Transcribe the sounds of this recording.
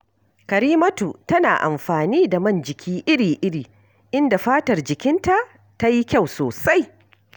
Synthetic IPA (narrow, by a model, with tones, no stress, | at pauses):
kɐ˨ɾiː˦mɐ˦tu˨tɐ˦naː˨ʔa̰˨mɸaː˨niː˦da˨mɐ˦˨nd͡ʒɪ˨kʲʰiː˦ʔɪ˦ɽiː˨ʔɪ˦ɽiː˨ | ʔɪ˦nda˨ɸaː˦tɐ˨rd͡ʒɪ˨kʲɪ˦nta˦ʔ | ta˦ji˦kʲa˦˨wsoː˨sa˦j